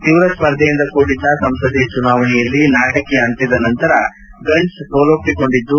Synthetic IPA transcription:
t̪iʋɾɐspɐɾd̪ʱɐjind̪ɐkuːɽid̪ːɐsɐmsɐd̪it͡ʃunaːʋɐɳɛjɐlːinaːʈɐkːeɐnt̪id̪ɐnɐnt̪ɐɾɐ̰ | ɡɐɳɖʈst̪ɔːlopːiko̞ɳɖid̪ːu

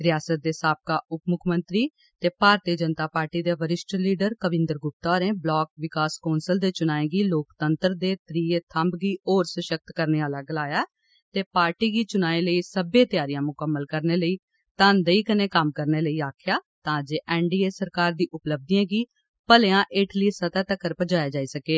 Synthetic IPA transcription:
ɾɪjaːsət̪̚d̪eːsaːp̚kaːʔʊpmʊkʰmə̃nt̪ɾiː | t̪eːpaːɾt̪iːəd͡ʒənt̪aːpaːɾʈiːd̪eːʋəɾɪsʈliːɖəɾkəʋɪ̃nd̪əɾɡʊp̚t̪ɔːɾẽːblɔːk̚ʋɪkaːskaːnsəld̪eːt͡ʃʊnaːẽːɡiːloːkt̪ənt̪ɾd̪eːt̪ɾiːeːt̪ʰəmbɡiːoːɾsəʃək̚t̪kəɾneːaːlaːɡəlaːjaː | t̪eːpaːɾʈiːɡiːt͡ʃʊnaːẽːləiːsəbẽːt̪ɪjaːɾɪjãːmʊkəmːəlkəɾneːləiː | t̪ãːnd̪əiːkəneːkəmkəɾneːləiːaːkʰɪjaːt̪ãːd͡ʒeːʔɛːɳɖiːeːsəɾkaːɾd̪iːʔʊpləb̚d̪iãːɡiː | pəleːãːʔɪːʈliːsət̪at̪əkːəɾpəd͡ʒaːjaːd͡ʒaːiːsəkeː

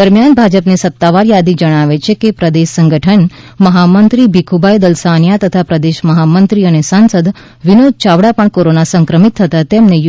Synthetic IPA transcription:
d̪əɾmjanbʱad͡ʒəpnesət̪ːaʋaɾjad̪id͡ʒəɽ̃aʋet͡ʃʰekepɾəd̪eʃsəŋɡəʈʰənməɦamənt̪ɾibʱikʰubajd̪əlsanjat̪ət̪ʰapɾəd̪eʃməɦamənt̪ɾiənesansəd̪ | ʋinod̪̚t͡ʃaʋɽapəɳkoɾonasə̃ŋkɾəmit̪ʰːət̪at̪emnej

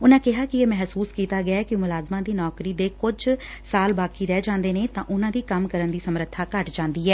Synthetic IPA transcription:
ʊnãːkɪɦaːkɪeːmɛɦsuːskiːt̪aːɡɪaːkɪjõːmʊlaːzmãːd̪iːnɔːkɾiːd̪eːkʊd͡ʒ | saːlbaːkiːɾɛːd͡ʒãːnd̪eːneːt̪ã̰ːʔʊnãːd̪iːkəmkəɾənd̪iːsəmɾət̪ʰːaːkəʈd͡ʒãːnd̪iːɦɛː

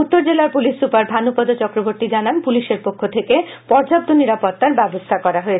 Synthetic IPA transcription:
ut̪ːoɾd͡ʑelaɾpuliʃːupaɾd̪ʱanupɔd̪ot͡ɕɔkɾobʱoɾt̪id͡ʑananpuliʃeɾpokʰːot̪ʰeke | pɔɾd͡ʑap̚t̪ʰoniɾapot̪ːaɾbɛbost̪ʰakɔɾaɦoet͡ɕʰ

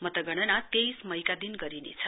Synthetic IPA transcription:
mʌt̪ʌɡʌɽ̃ʌnat̪ejsmʌjkad̪inɡʌɾinḛt͡sʰʌ

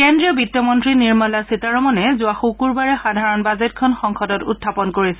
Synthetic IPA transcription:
kendɹiɔbitːjɔmɔntɹiniɹmalasitaɹɔmɔnɛzʊaxukuɹbaɹɛxadʱaɹɔnbazet̚kʰɔnxɔŋxɔdɔtṵtʰːapɔnkoɹisɛ

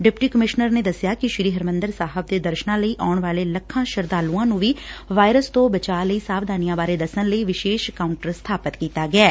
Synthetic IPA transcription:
ɖɪpʈiːkəmɪʃnəɾneːd̪əsːjaːkɪʃɾiːɦəɾmə̃nd̪əɾsaːɦəb̚d̪eːd̪əɾʃnãːləiːʔaːɳʋaːleːləkʰːãːʃəɾd̪aːluːãːnũːʋiːʋaːjɾəst̪õːbət͡ʃaːləiːsaːʋd̪aːnijãːbaːɾeːd̪əsənləiːʋɪʃeːʃkaːʊɳʈəɾst̪ʰaːpət̪kiːt̪aːɡɪɛː

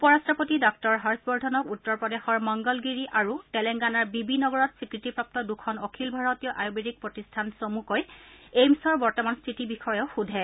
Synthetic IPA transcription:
upɔɹastɹɔpotidɔk̚tɔɹɦaɹsbɔɹdʱɔnɔkutːɔɹpɔdexɔɹmɔŋɡɔlɡiɹiʔaɹutɛlɛŋɡanaɹbibinɔɡɔɹɔtsikɹitipɹɔp̚tɔdukʰɔnɔkʰilbʱaɹɔtijɔʔajubeɹik̚pɹotistʰansomukojejmsɔɹbɔɹtɔmanstʰitibixɔjɔʊxudʱɛ

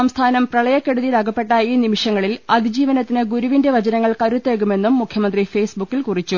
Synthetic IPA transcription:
ɐmst̪ʰaːnɐmprɐɭɐjɐkːe̞ɽuðiɾaːɡɐpːe̞ʈːaiːnimiʂɐŋːɐɭilɐd̪ʱid͡ʑiːʋɐnɐt̪ːinɨɡuɾuʋindeʋɐd͡ʑɐnɐŋːɐɭkɐɾut̪ːeɡume̞nːumːukʰjɐmɐnd̪rife̞ːsbukːilkurit͡ɕːu

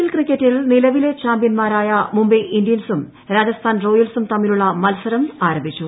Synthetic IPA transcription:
ilkrikʲːetːilnilɐʋile̞t͡ɕaːmbjɐnmaːɾaːjɐmumbiʔindijɐnsum | ɾaːd͡ʑɐst̪ʰaːnro̞ːjɐlsumt̪ɐmːiluɭːɐmɐlsɐɾɐmaːɾɐmbʱit͡ɕːu

